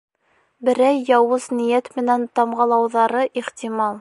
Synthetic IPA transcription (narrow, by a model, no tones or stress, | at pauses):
bɘ̆ɾæjːɑwɤznĭjæt̪mɘ̆nænt̪ɑmʁɑlˠɑwðɑɾɤʔiχt̪imɑlˠ